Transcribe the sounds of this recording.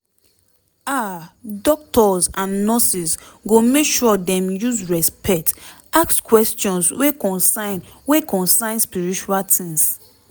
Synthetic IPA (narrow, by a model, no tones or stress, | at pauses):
adɔk̚tʰɔzãnːɔsisɡomekʃuɔdɛ̃mjuzɹɛspɛk̚t | akskwɛstɔ̃nsweɔ̃nsanwekɔ̃nsãɪ̃nspiɹit͡ʃualtʰĩŋs